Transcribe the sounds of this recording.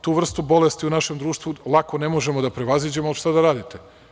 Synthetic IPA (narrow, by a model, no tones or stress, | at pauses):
t̪uːʋr̩st̪ubo̞le̞st̪iunaʃe̞md̪ɾuːʃt̪ʋulˠako̞nemoʒe̞mod̪apɾeʋazid͡ʑemoʃt̪ad̪aɾaːd̪it̪e